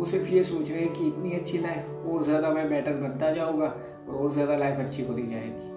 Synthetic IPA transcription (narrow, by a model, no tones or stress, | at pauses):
osɪɾfjesoːt͡ʃɾɛɦɛ̃kiɪt̪niɐtːʃʰilaːɪf | ɔːɾzjaːd̪amɛ̃bɛːʈəɾbɐ̃nt̪ad͡ʒaːũːɡaː | ɔ̰ːɾɔːɾzjaːd̪alaːɪfɐtːʃʰiɦoːd̪id͡ʒaːḛːɡiː